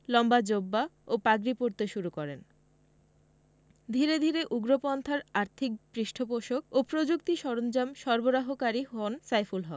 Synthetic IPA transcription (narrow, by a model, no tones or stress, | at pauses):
lɔmbad͡ʑobːaopaɡɾipoɾt̪eʃuɾukɔɾen | d̪ʱiɾed̪ʱiɾeʔuɡɾopɔnt̪ʰaɾaɾt̪ʰik̚bɾiʃʈʰopoʃok̚opɾod͡ʑuk̚t̪iʃɔɾond͡ʑamʃɔɾboɾaɦokaɾihonsajfulɦɔ